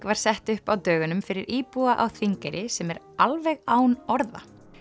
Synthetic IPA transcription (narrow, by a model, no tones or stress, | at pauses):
kvaɾ̥sɛht̪ʏhpawt̪œːɣʏnʏmfɪɾɪɾʔiːpuaʔa̰wθʰviŋkɛɾʔɪsɛmɛɾ | alvɛɣaːwnɔɾða̰